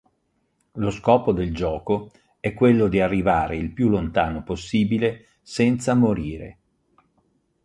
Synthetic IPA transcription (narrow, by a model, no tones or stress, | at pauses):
loskɔːpod̪eld͡ʒɔːko | ɛkːwelːod̪iarːivaːɾeilpjulːont̪aːnoposːiːbile | sɛnt̪samoɾiːɾḛ